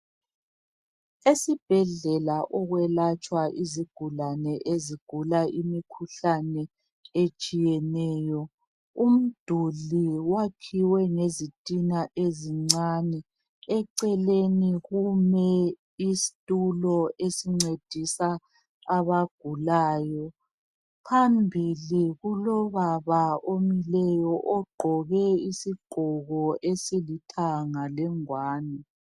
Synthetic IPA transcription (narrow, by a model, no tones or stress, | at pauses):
esib̥ʱɛɮɛlaʔɔɣwɛlat͡ʃʼwaʔiziɡ̥ʱulanɛʔeziɡ̥ʱulaʔimikʰuɬanɛ | et͡ʃʼijɛnɛːjɔ | um̩d̥ʱuliwakʰiwɛŋezitʼinaʔeziŋ͡ǀanɛ | ɛǀɛleniɣumɛ | isi̥tʼulɔʔesiŋ͡ǀed̥ʱisaː | βaɡ̥ʱulaːjɔ | pʰambʱiliɣulɔβaβaomilɛjɔʔɔɡ͡ǃʱɔɣɛisiɡ͡ǃ̥ʱɔɣɔʔesilitʰaŋalɛŋwaːnɛ